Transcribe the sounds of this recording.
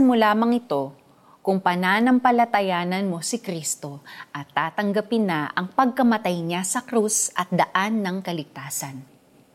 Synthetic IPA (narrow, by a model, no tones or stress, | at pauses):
molaːmɐŋɪt̪o̞ | kʊŋpɐnaːnɐmpɐlɐt̪ɐjaːnɐnmo̞sɪkɾist̪o̞ʔɐt̪ːaːt̪ɐŋɡɐpɪnːaʔɐŋpɐɡ̚kɐmɐt̪ajɲasɐkɾusʔɐt̪̚d̪ɐʔanːɐŋkɐlɪɡ̚t̪aːsɐn